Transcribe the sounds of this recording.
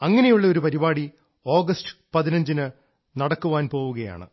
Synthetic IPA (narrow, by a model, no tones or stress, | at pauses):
ɐŋːɐnejuɭːɐo̞ɾupɐɾibaːɽi | o̞ːɡɐstɨ̥pɐðinɐɲd͡ʑinɨ | nɐɽɐkːuʋaːnpo̞ːʋuɣɐja̰ːɳɨ̰